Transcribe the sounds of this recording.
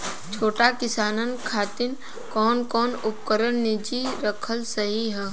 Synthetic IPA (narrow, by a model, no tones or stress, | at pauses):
t͡ʃʰoːʈakɪsaːnənkʰaːt̪ɪn | kɔːnkɔːnʊp̚kəɾənnɪd͡ʒiɾɐkʰəlsɐɦiɦɛː